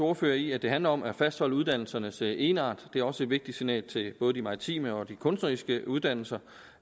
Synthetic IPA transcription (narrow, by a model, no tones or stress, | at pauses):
o̝ɐfø̰ːɐiæd̥e̝ɦænlɐɒ̽mæɐfæsd̥hɒ̽l̰uð̞ˠd̥æn̰l̩sɐnəse̝ːnɑ̰̈ːd̥d̥e̝æɐɒ̽səe̝d̥ʋe̝ɡ̥̚d̥id̥sinɛ̰ːlt͡sʰe̝b̥ɔ̽ːðˠd̥imɑ̈ʁit͡sʰḭːməɒ̽d̥ikʰɔ̽nsd̥nɐʁisɡ̥əuð̞ˠd̥æn̰l̩sɐ